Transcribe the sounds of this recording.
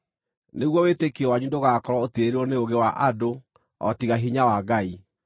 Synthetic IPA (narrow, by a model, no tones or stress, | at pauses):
neɣwɔwetekɔwaɲundoɣakɔɾwɔotieɾeɔneoɣewaʔado | ɔ̰tiɣaɦiɲawaɡai